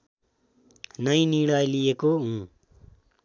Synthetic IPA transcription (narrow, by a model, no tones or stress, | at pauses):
nʌj̃niɽajlijekoɦũ